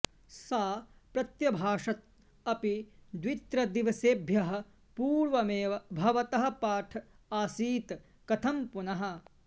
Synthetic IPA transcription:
saːpɾɐt̪jɐbʱaːʂɐt̪̚ | ɐpid̪ʋit̪ɾɐd̪iʋɐseːbʱjɐɦɐ̆ | puːɾʋɐmeːʋɐbʱɐʋɐt̪ɐɦɐ̆paːʈʰ | aːsiːt̪ | kɐt̪ʰɐmpunɐɦɐ̆

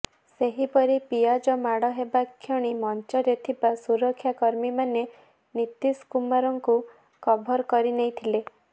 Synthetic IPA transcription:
seɦipɔɾipijad͡ʒɔmaɽɔɦebakʰjɔɽ̃imɔnt͡ʃɔɾet̪ʰibasuɾɔkʰːjakɔɾmimane | nit̪iskumaɾɔŋku | kɔbʱɔɾkɔɾinejt̪ʰile

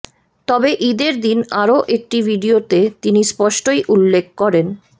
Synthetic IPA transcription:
t̪ɔbeʔid̪eɾd̪inaɾoʔek̚ʈibʱiɖiot̪et̪inispɔʃʈojʔulːek̚ʰkɔɾen

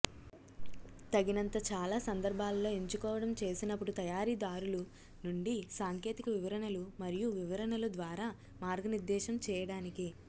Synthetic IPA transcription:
t̪ɐɡinɐnt̪ɐt͡ʃaːlaːsɐnd̪ɐɾbʱaːlɐlo̞ːeɲt͡ʃukɔːʋɐɽɐmt͡ʃe̞ːsinɐpːuɽut̪ɐjaːɾiːd̪aːɾulu | nuɳɖisaːŋke̞ːt̪ikɐʋiʋɐɾɐɳɐlumɐɾijuʋiʋɐɾɐnɐlud̪ʋaːɾaː | maːɾɡʱɐniɾd̪ɛːʃɐmt͡ʃɛːjɐɽaːniki

